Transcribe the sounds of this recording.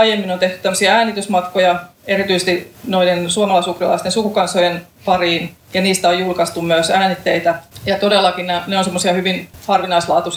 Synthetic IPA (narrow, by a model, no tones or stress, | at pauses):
ɑijemːinont̪eht̪y̥t̪æmːøsiɑæːnit̪ysmɑt̪kojɑeɾit̪yisest̪inoidensuɑmɑlɑˑisukrilɑ̰ist̪ensukukɑnsojen | pɑriːn | jɑniːst̪æojulkɑst̪ummyøsæːnit̪ːeit̪æjɑt̪odelːˑɑkinnæneonsemːosiɑhyʋinhɑrʋinɑislɑːt̪us